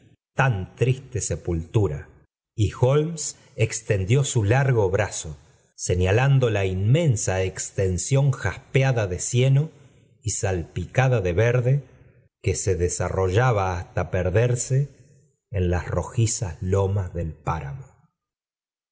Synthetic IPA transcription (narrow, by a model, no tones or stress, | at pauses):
t̪ant̪ɾist̪e̞se̞pult̪uɾa̰ | ixolms | ekst̪e̞nd̪jo̞sulaɾɣo̞βɾaso̞ | se̞ɲaland̪o̞lainmẽ̞nsaekst̪e̞nsjo̞ŋxahpeaðaðe̞sje̞no | isalpikaðaðe̞βeɾðe̞ | kese̞ðesaro̞ʒaβaːst̪apeɾðeɾseː | nlasro̞xisaslo̞mazðe̞lpaɾa̰mo